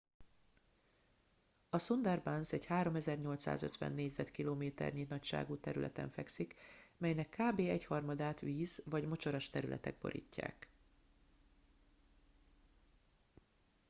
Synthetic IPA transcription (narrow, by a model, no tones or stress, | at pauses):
ɒsond̪ɛrbansɛɟhaːɾo̞mɛzɛrɲo̞lt̪sa̰ːzø̞̰t̪ʋɛ̰nːeːɟzɛt̪kiloːmeːt̪ɛ̰rɲinɒcʃa̰ːɡuːt̪ɛɾylʔɛ̰t̪ɛ̰ɱfɛksikmɛjnɛkːaːbeːɛchɒrmɒd̪aːt̪ʋiːzvɒɟmo̞t͡ʃo̞ɾɒʃt̪ɛɾylʔɛ̰t̪ɛ̰ɡ̚bo̞̰ɾʔḭːcːa̰ːk